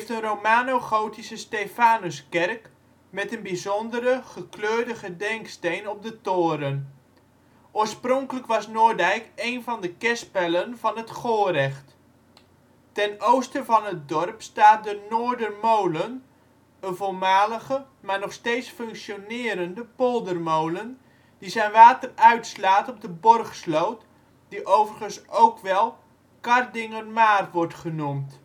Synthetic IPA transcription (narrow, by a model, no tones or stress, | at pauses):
ftərowmaːnoχowtisəstejfaːnəskɛrk | mɛtənbizɔndəɾəχəkløːɹdəχədɛŋkstejnɔp̚dətoːɾən | ʔoːɹsprɔŋkələkʋɑsnʊːɹdɛjkejnvɑndəkɛspɛlənv̥ɑnɦətχoːrɛχt | tɛnowstəvɑnɦət̚dɔrpstaːt̚dənoːdərmowlən | əvolˠmaːləɣə | maːrnɔχsteːtsfɵŋksjonɪːɾəndəpolˠdərmowlən | d̥izɛjnʋaːtərœɥtslaːtɔb̚dəbɔrχslowt | d̥iʔowvərχənsʔowkʋɛlˠ | kɑrdɪŋərmaːrʋɔrtχənumt